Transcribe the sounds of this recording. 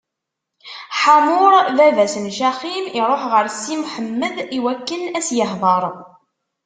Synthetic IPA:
ħamʊɾˤðævæsənʃæqimiɾˤoħʁəɾsːimħəmːəðiwækːənæsjəħðˤəɾˤ

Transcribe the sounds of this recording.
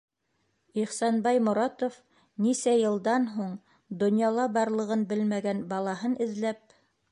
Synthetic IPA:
iχsɑnbɑjmŏɾɑt̪of | nisæjɤ̆lˠd̪ɑnɦuɴ | d̪ŏnjɑlˠɑbɑɾlˠɤ̆ʁɤnbɘlmæɡænbɑlˠɑɦɤnʔɘ̆ðlæp̚

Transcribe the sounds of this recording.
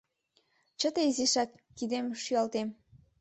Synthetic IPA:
t͡ɕə̆t̪eiziʃɑkːid̪emʃyɑlt̪em

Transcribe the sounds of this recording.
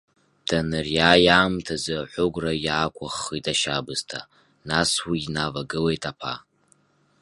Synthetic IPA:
d̥anɨrjajaːmtʰazɨħʷʊɡʷrajaːkʷʰʼaχːitʼaʃabɨztʰa | naswinavaɡɨlejtʼapʰa̰

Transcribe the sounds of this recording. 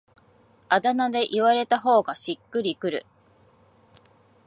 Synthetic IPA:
ad̪anad̪e̞ʔiβaɾe̞t̪aɦo̞ːɡaɕikːɯ̟ɾʲikɯ̟ɾɯ̟̰

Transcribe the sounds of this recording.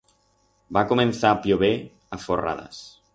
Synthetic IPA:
bakumenθapljoβe | əfora̰ðə̰s

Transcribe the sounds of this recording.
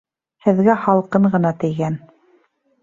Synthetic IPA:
hɘ̆ðɡæχɑlˠqɤɴɢɤ̆nɑt̪ɘ̆jɡæn

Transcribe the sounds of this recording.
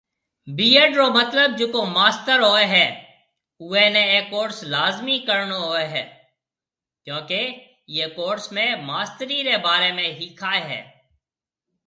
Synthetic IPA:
biːeɖɾomɐt̪ləb̚d͡ʒoːkomaːst̪əɾɦoːeɦɛː | uːeneːkoːɖslaːzmikəɾnoɦoːeɦɛː | kjõːke | jeːkoːɖsmẽmaːst̪əɾiɾebaːɾemẽɦikʰaːeɦɛ̰ː

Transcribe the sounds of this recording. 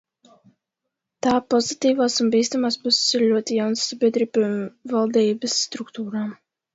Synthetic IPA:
t̪aːpɔzit̪iːvaːsunbiːst̪amaːspussiɾlʲuɔt̪ijawnsːabʲiɛd̪ɾiːbvalˠd̪iːbəsːt̪ɾukt̪uːɾaː

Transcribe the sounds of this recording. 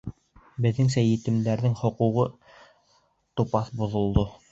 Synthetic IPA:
bɘ̆ðːɘŋsæjɘ̆t̪ɘ̆md̪æɾðɘŋhŏquʁɤ | t̪upɑθbŏðŏlˠd̪o

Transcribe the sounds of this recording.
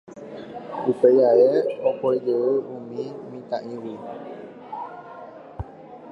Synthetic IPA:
upejaeopoid͡ʒəəumĩmĩt̪ãʔĩwi

